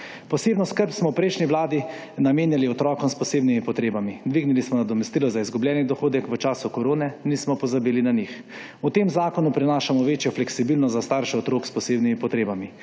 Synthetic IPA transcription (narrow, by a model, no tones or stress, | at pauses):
pɔseːbnɔskəɾpsmɔwpɾɛjʃniʋlaːd̪i | nameːnjaliɔt̪ɾɔːkɔmspɔseːbnimipɔt̪ɾeːbamid̪ʋiːɡnilismɔnad̪ɔmɛst̪iːlɔzaizɡublʲjɛːnid̪ɔxoːd̪ɛkʋət͡ʃaːsukoɾoːnɛniːsmɔpɔzabiːlinanix | ut̪emzaːkɔnupɾɛnaːʃamɔʋeːt͡ʃjɔflɛksibilnɔzast̪aːɾʃɛɔt̪ɾoːkspɔseːbnimipɔt̪ɾeːbami